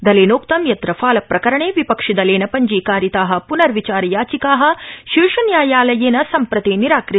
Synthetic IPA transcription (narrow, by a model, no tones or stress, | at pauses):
d̪ɐleːnoːkt̪ɐmjɐt̪ɾɐfaːlɐpɾɐkɐɾɐɳeːʋipɐkʂid̪ɐleːnɐpɐɲd͡ʒiːkaːɾjit̪aːɦɐ̆punɐɾʋit͡ʃaːɾɐjaːt͡ʃikaːɦɐ̆ʃiʂɐnjaːjaːlɐjeːnɐsɐmpɾɐt̪iːniɾaːkɾɪ